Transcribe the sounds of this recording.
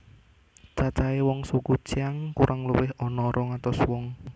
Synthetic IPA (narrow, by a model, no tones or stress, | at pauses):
t͡ʃat͡ʃaewɔŋsukut͡ʃiaŋkuɾʔaŋluwɪɦɔnɔɾʔɔŋat̪ɔswɔŋ